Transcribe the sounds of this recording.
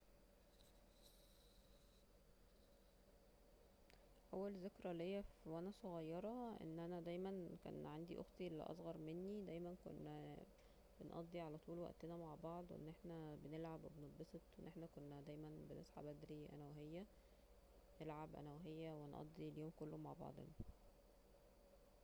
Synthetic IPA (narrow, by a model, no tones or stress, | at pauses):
ʔæwːælzekɾælihejːæfwænæsˤoɣɑjːɑɾˤɑʔḛnːʔænæd̪æjmænkæ̰ːnʕand̪iʔo̰xt̪ˤilːḭʔɑ̰sˤɣɑɾˤmenːid̪æjmænko̰nːæ | b̥enʔɑ̰d̪ˤːiʕalæt̪ˤuːlwæ̰ʔt̪enæmaʕbɑʕd̪ˤwḛʔḛnːʔeħnæbenelʕabwebeneb̪̚ˤbeset̪wenːʔeħnækonːæd̪æjmænbenʔḛsħa̰bæd̪ɾiʔæ̰næweɦejːæ | nelʕabʔæ̰næweɦejːæwenʔɑ̰d̪ˤːiljoːmkolːomaʕbɑ̰ʕd̪ˤḛn